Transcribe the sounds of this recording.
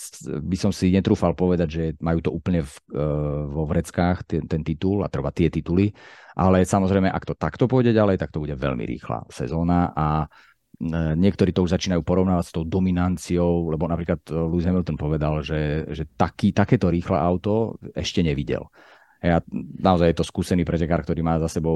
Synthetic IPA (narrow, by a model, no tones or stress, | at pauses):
bisɔmsiɲɛt̪ɾuːfalpɔʋɛd̪aɟʒɛmajuːt̪ɔʔuːpl̩ɲɛf | ʋɔʋɾɛt͡skaːxt̪ɛnt̪ɛnt̪it̪ula̰t̪r̩ʋat̪ɪɛt̪it̪uliʔalɛsamɔzɾɛjmɛʔakt̪ɔt̪akt̪ɔpɔɔɟɛɟalɛjt̪ak̚t̪ɔbuɟɛʋɛ̰ʎmḭɾḭːxla̰sɛ̰zɔːnaʔa | ɲɪɛkt̪ɔɾiːt̪ɔuʒzat͡ʃiːnajuːpɔɾɔʊnaːʋast̪ɔʊd̪ɔminant͡siɔʊlɛbɔnapɾiːklad̪luizɦɛmilt̪ɔnpɔʋɛd̪alʒɛʒɛt̪akiːt̪akɛːt̪ɔɾiːxlɛ̰ʔaʊt̪ɔɛʃcɛɲɛʋiɟɛ̰l | ɦɛjanaɔzajjɛt̪ɔskuːsɛniːpɾɛcɛkaːɾk̚t̪ɔɾiːmaːzasɛbɔʊ